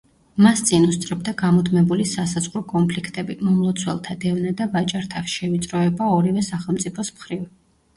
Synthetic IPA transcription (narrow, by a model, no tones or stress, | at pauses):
mast̪sʼinust̪sʼɾɛb̚d̪aɡamɔd̪ʰmɛbulisasazʁɾɔkʼɔmpʰlikʰt̪ʼɛbimɔmlˠɔt̪sʰwɛlˠt̪ʰad̪ɛvnad̪avat͡ʃʼaɾt̪ʰafsʃɛvit̪sʼɾɔɛbaɔɾivɛsaχɛlˠmt̪sʼipʰɔsmχɾiv